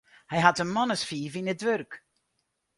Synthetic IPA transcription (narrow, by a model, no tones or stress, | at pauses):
hɛjɦatənmɔnəsfiːvinədʋørk